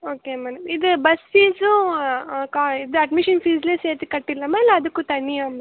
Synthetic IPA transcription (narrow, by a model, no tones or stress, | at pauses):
oːkemɛːɽɐmid̪ubɐsfiːsũ | kaid̪ɨɐɖmiʃɐnfiːzleːseːɾt̪ikɐʈːilːɐmeːleɐd̪ukːut̪ɐɳːijaːmɐ